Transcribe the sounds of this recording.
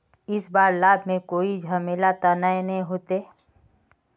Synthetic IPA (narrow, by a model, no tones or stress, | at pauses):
ɪsbaːɾlaːbʱmẽkoːid͡ʒʱaːmeːlat̪anaːenɦĩɦoːt̪eː